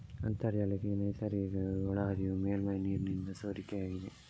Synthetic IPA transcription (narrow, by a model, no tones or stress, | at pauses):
ɐ̰nt̪ɐɾd͡ʒɐlɐɡenɐjt̪ʰaɾɡɐɔɭaɾijumeːlmɐjniːɾnind̪ɐsoːɾikːeaːɡid̪e